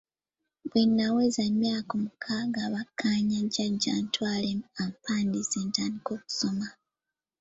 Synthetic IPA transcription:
βwenːawezamjaːkomukʰaːɡaβakʰːaːɲaɟaɟaːntwaːleampaːndiseːntaːndiko̞ːku̥so̞ma

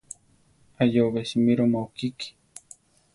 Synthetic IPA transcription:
ajoβesimiɾomaokiki̥

